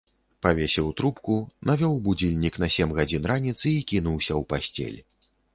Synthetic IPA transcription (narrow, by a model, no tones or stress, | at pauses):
pavʲesʲɛwt̪ɾupkunavʲɔwbud͡zʲilʲnʲiknɐsʲɛmɣad͡zʲinranʲit̪sɨikʲinuwsʲɐwpasʲt͡sʲɛ̰lʲ